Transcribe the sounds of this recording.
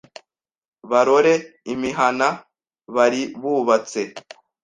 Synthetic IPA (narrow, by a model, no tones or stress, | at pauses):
βaɾo̞ɾe̞imiɦana | βaɾiβuːβat͡se̞